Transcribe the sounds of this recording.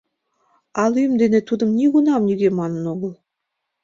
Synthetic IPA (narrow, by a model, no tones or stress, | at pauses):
ɑlyjəmd̪enet̪ud̪ə̆mnʲiɣunɑmnʲiɣemɑnə̆noɣə̆lˠ